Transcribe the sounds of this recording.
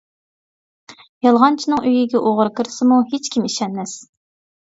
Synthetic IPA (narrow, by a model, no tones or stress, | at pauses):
jɑlˠʁɑnt͡ʃʰinɨŋʔøjiɡʲɛʔoʁəɾɨkʰɨɾɨsɨmuhet͡ʃkʲimiʃɛnmɛs